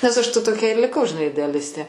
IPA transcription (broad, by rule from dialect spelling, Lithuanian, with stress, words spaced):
nʲɛs ɐʃ tɐ toːˈkʲɛ ɪr lʲɪˈkɐʊ ʒʲɪˈnɐɪ ɪdʲɛɐˈlʲɪsʲtʲeː